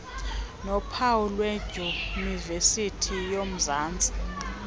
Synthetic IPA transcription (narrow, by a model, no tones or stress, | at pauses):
nɔpʰawulwɛd͡ʒ̥ʱunivesitʰijom̩zaːnd͡zʱʼi̥